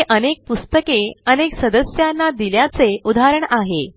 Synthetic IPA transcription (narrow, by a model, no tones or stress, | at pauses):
ʔənek̚pust̪əkeəneksəd̪əsjanːad̪iljat͡seud̪aɾəɳaɦe